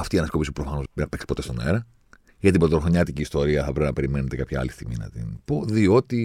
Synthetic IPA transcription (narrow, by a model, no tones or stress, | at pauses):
ɐft̪iɐnɐsko̞pispupɾofɐno̞znɐpe̞kspo̞t̪e̞st̪neɾɐ | ʝɐt̪ibɾot̪oɾoxoɲɐt̪iciːst̪o̞ɾiɐθɐpɾepnɐpe̞ɾime̞net̪ekɐpçɐɐ̰list̪iɣminɐ̰t̪ḭnpoðio̞t̪i